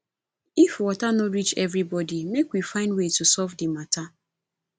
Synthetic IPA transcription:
ifwɔtanɔɾit͡ʃɛvɾibɔdimekwifãɪ̃ndwetusɔfdimata

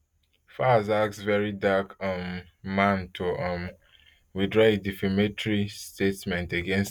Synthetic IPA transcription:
fazaksvɛɹidakʌm | mãntʰuʔʌ̃m | widɹɔedifimetɹistetmɛ̃nteɡɛ̃ns

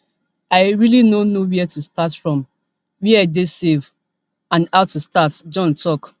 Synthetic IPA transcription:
aɪɹilinonowɛɛtustatfɹɔ̃m | wiaɪdesev | ãnhaʊtustatd͡ʒɔ̃ntʰɔk

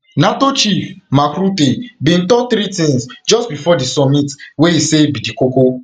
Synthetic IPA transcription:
natot͡ʃifmakɾutebĩn̩tɔθɾitĩŋsd͡ʒɔstbifɔdisɔmitweisebidikoko

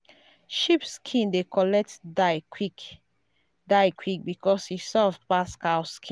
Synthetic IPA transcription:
ʃipskʰĩndekʰɔlɛk̚tdaɪkik | daɪkʰwik̚bikʰɔshisɛfpaskaʊskʰĩ

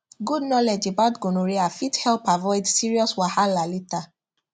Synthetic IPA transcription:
ɡudnɔled͡ʒebadɡonũɾeafithɛlpavɔɪdsiɹiɔswahalalita

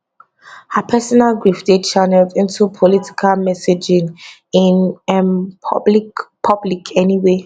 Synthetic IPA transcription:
hapʰɛsɔnalɡɹifdet͡ʃanɛdĩntʰupʰɔliti̥kʰalmɛsed͡ʒĩŋ | ĩnɛmbipʰʌblikʰɛniwe

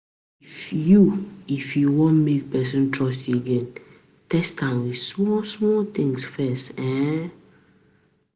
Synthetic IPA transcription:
ifjuifjuwɔ̃nmek̚pɛs̬ɔ̃ntʰɹɔsteɡɛ̃n | tɛstãnwi̥smɔsmɔt̪ĩŋsfɛstɛ̃n

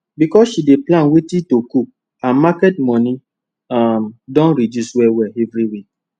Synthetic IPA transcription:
bikɔsʃideplãnwetitokuk̚ | ãnmakɛt̚mɔ̃ni | amdɔ̃nɾidjuswɛwɛɛvɾiwik̚

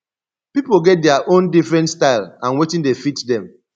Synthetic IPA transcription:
pipoɡɛt̚deaʔõndifɹɛ̃ntstaɪlãnwetĩndefitdɛ̃m

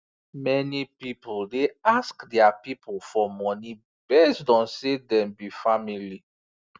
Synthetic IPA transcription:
mɛnipipuldeaskdɛapipʰlfɔmɔni | bɛstdɔ̃nsedɛ̃mbifamili

